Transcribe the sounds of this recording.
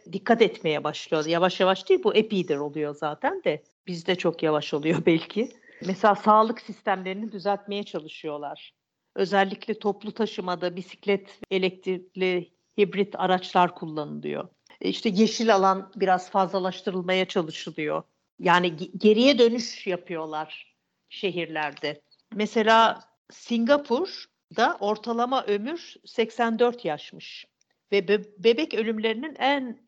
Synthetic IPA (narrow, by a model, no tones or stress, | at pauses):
d̪ikʰːat̪ɛt̪me̞jɛbaʃlˠɯjojavaʃjavaʃt̪ɯjbuʔepid̪iɾo̞lˠujo̞zaːt̪ʰænd̪ɛ | bizd̪ɛt͡ʃʰo̞kjavaʃolˠujo̞bɛlʲcʰɪ | mɛselʲaːsaːlˠɯksist̪æmlʲe̞ɾinid̪yzælʲt̪̚me̞jɛt͡ʃʰalˠɯʃɯjo̞lˠaɾ̥ | ø̞zælʲːiclʲɛt̪ʰo̞plˠut̪ʰaʃɯmad̪abisi̥clʲɛt̪elʲɛc̚t̪ʰiklʲi | hibɾit̪ʰaɾat͡ʃlˠaɾkʰulˠːanɯlˠɯ̰jo̰ | iʃt̪ʰɛɟe̞ʃilʲalˠanbiɾazfazlˠalˠaʃt̪ʰɯɾɯlˠmajat͡ʃʰalˠɯʃɯlˠɯjo̞̰ | jaːniɟe̞ɾijɛd̪ø̞nyʃjapʰɯjo̞lˠaɾ̥ | ʃe̞ɦiɾlʲæɾd̪ɛ | mɛse̞lʲaː | siŋɡapʰuɾ | d̪aʔo̞ɾt̪ʰalˠamaʔø̞myɾsɛcsænd̪øɾt̪ʰjaʃmɯʃ | vɛbbebɛcø̞lʲymlʲe̞ɾininæn